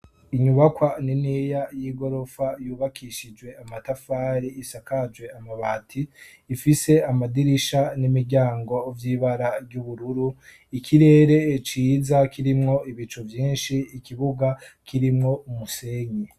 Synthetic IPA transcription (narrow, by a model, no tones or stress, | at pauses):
iɲuβakwaninijajiɡo̞ɾo̞fajuːβakiʃid͡ʒwe̞amatafaːɾiːsakad͡ʒwe̞amaβaːtʰiːfise̞amadiɾiʃanimiɾɟaːŋɡo̞vjiːβaɾaɾjuβuɾuɾu | ikʰiɾe̞ːɾe̞t͡ʃiːzakiɾimŋo̞iβit͡ʃovjiːnʃiːkʰiβuɡakiɾimŋo̞umuse̞ːɲe